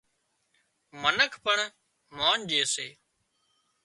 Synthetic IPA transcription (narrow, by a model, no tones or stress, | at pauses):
mənəkʰpəɳ | maːnd͡ʒeːseː